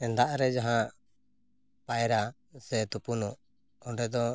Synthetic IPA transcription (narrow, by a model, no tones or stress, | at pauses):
ɛnd̪aʔɾɛd͡ʒaɦãʔ | pajɛɾa | sɛt̪upunuʔ | ɔɳɖɛd̪ɔ